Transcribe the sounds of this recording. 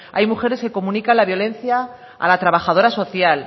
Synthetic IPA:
a̰jmuxe̞ɾe̞ske̞ko̞mũnikanlaβjo̞lẽ̞nθja | a̰lat̪ɾaβaxað̞o̞ɾaso̞θjal

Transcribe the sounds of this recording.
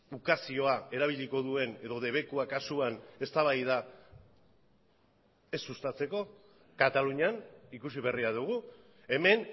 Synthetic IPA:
ukasio̞ae̞ɾaβ̞iʎiko̞ðue̞ne̞ðo̞ðe̞β̞e̞kuakasuane̞st̪aβ̞ajð̞a | e̞sːust̪at͡se̞ko̞ | kat̪aluɲanikus̬iβe̞riað̞uɣ̞u | e̞me̞n

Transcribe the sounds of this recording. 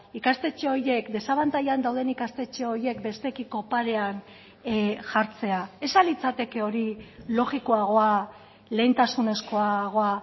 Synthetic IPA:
ikast̪e̞t͡ʃeo̞ɾje̞kd̪e̞saβant̪ajand̪awðe̞nikast̪e̞t͡ʃeo̞ɾje̞kbe̞st̪e̞kiko̞paɾe̞an | ʝaɾt͡se̞ae̞salit͡sat̪e̞ke̞o̞ɾilo̞ɣiko̞aɣ̞o̞a | le̞jnt̪asune̞sko̞aɣ̞o̞a

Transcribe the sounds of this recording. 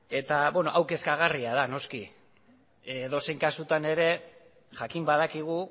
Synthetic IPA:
e̞t̪aβenoʔawke̞skaɣ̞ariaðano̞ski | ðo̞se̞jŋkasut̪ane̞ɾe̞ | ʝakimbað̞akiɣ̞u

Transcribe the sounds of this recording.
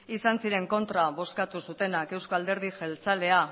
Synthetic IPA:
isansiɾe̞ŋko̞nt̪ɾaβo̞skat̪usut̪e̞nake̞wsko̞ald̪e̞ɾð̞iʝe̞lt͡sale̞a

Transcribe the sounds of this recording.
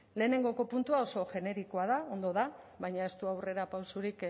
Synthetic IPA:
le̞ːne̞ŋɡo̞ko̞punt̪uao̞so̞ʝe̞ne̞ɾikoað̞ao̞nd̪o̞ð̞a | βajɲae̞st̪uawre̞ɾapawsuɾik

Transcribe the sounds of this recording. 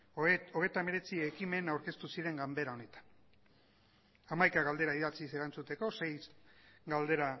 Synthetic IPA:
oɣe̞t̪ame̞ɾe̞t͡siekime̞nawɾke̞st̪usiɾe̞ŋɡambe̞ɾao̞ne̞t̪ḁn | amajkaɣald̪e̞ɾaiðat͡sise̞ɾant͡sut̪e̞ko̞se̞jsɡald̪e̞ɾa

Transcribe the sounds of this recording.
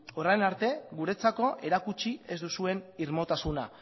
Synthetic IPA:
o̞rajnaɾt̪e̞ɣuɾe̞t͡sako̞ʔe̞ɾakut͡ʃie̞zd̪usue̞niɾmo̞t̪asuna̰

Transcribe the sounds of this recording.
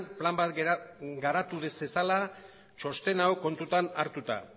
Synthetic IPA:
nplambat̪ɡɡaɾat̪uðesesala | t͡ʃo̞st̪e̞naoko̞nt̪ut̪anaɾt̪ut̪a̰

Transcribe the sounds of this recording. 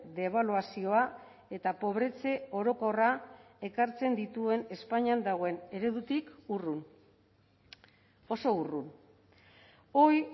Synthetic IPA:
d̪e̞β̞aluasio̞a | e̞t̪apo̞βɾe̞t͡se̞o̞ɾo̞ko̞ra | e̞kaɾt͡se̞nd̪it̪ue̞ne̞spaɲiand̪aɣ̞o̞e̞ne̞ɾe̞ðut̪ikurun | o̞so̞urun | o̞j

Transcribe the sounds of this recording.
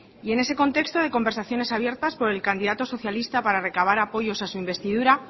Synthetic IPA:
ie̞ne̞se̞ko̞nt̪e̞kst̪o̞ð̞e̞ko̞mbeɾsaθjo̞ne̞saβje̞ɾt̪aspo̞ɾe̞lkand̪iðat̪o̞so̞θjalist̪apaɾare̞kaβ̞aɾapo̞ʝo̞sasuimbe̞st̪iðuɾa

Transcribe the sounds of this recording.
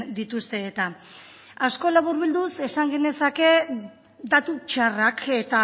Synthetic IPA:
d̪it̪ust̪e̞ːt̪a | asko̞laβuɾβild̪use̞saŋɡe̞ne̞sake̞ | d̪at̪ut͡ʃarake̞t̪a

